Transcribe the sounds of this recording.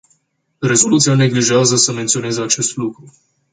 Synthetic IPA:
re̞zo̞lut̪siane̞ɡliʒeazəsəme̞nt̪sio̞ne̞zeat͡ʃe̞st̪lukɾu

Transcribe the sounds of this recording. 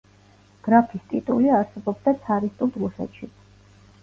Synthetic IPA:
ɡ̥ɾapʰist̪ʼit̪ʼuliaɾsɛbɔb̚d̪at̪sʰaɾist̪ʼulˠd̪ɾusɛ̰t̪ʃi

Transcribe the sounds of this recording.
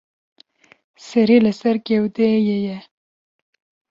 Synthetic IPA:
seɾilasaɾkewd̪ejeje

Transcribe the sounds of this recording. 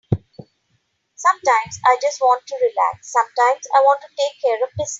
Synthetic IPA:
sʌ̃mʈãɪ̃mzaɪd͡ʒʌsʈʋɔ̃ːɳʈʈːuɾɪlæ̰ksːʌ̃mʈãɪ̃mza̰ɪʋɔ̃ːɳʈʈuʈeːkʰːeːɾɔʋd̪ɪs

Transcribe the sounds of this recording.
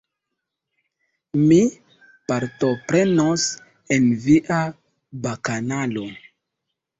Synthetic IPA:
mi | paɾto̞pɾe̞nos | enviʔa | bakanalo̞

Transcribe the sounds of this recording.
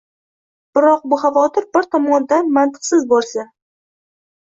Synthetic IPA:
b̥ɪɾɒq̚bʊχavɒt̪ʰɪɾbɪɾt̪ʰɒmɒnd̪anmant̪ʰɨ̥qsɪzbolˠsa

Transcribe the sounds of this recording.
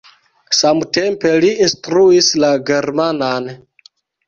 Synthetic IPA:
samte̞mpe̞liinstɾuislaɡe̞ɾmanan

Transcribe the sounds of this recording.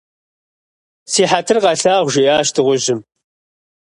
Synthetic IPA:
siːħatʰɨrqɐɬaːʁʷʒɪʔaːʃtʰɨʁʷʊʑɪm

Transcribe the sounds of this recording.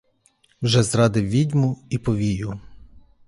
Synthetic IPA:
wʒɛzɾɑd̪ɪwʋʲidʲmʊipɔʋʲijʊ

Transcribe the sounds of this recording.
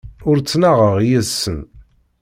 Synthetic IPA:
ʊɾt͡sːnaʁəʁjæsːən

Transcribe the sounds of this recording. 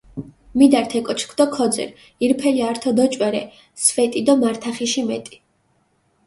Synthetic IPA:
mid̪aɾt̪ʰɛkʼɔt͡ʃʰkʰd̪ɔkʰɔd̪zɛ̰ɾ | iɾpʰɛliaɾt̪ʰɔd̪ɔt͡ʃʼwɛɾɛ̰ | sfɛt̪ʼid̪ɔmaɾt̪ʰaχiʃimɛ̰t̪ʼi̥

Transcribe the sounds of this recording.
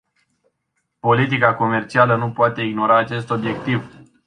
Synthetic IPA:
po̞lit̪̬ikako̞me̞rt͡ʃialənupoat̪e̞iɡno̞ɾaːt͡ʃe̞st̪o̞bje̞kt̪iv

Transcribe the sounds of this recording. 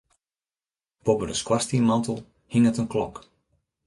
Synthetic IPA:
b̥obədəskwastiəmantəlˠ | hɪŋətənklɔk

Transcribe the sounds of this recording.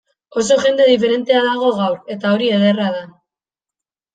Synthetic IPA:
o̞so̞ʝe̞nd̪e̞ðif̬e̞ɾe̞nt̪e̞aðaɣ̞o̞ɣawɾe̞t̪ao̞ɾie̞ð̞e̞raða

